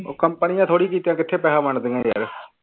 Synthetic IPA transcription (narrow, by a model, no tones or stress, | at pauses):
kəmpənɪjãːt̪ʰoːɽiːkiːt̪ejãːkɪt̪ʰːeːpɛːɦãːməɳd̪eãja̰ːɾ